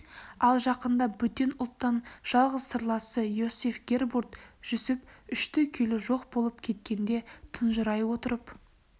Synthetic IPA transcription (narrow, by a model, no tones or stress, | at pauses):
ɑlˠʒɑqənd̪ɑbʏt̪ːe̞nʊlˠt̪ːɑnʒ̥ɑlˠʁəz̥səɾlˠɑsəjosefɡʲe̞rbuɾt̪ʒ̥ʏsɪpʏʃt̪ɪkʲʰelɪʒo̞qbo̞lˠəp̚kʲʰe̞t̪̚kʲe̞nd̪e̞t̪ʰənʒəɾɑjwo̞t̪əɾəp